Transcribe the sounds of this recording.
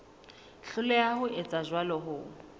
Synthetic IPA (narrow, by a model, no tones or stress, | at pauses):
ɬʊlɛahʊɪt͡sʼaʒwalɔɦʊ